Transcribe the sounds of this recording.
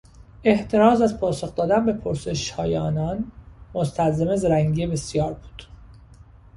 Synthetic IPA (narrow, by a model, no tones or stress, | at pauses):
e̞ht̪ʰe̞ɾɒːzæzpʰɒːsoxd̪ɒːd̪ænbe̞pʰoɾse̞ʃhɒːjeɒ̰ːnɒnmost̪ʰælzemezɾæŋɡiebe̞sjɒːɾbu̥ːd̪̥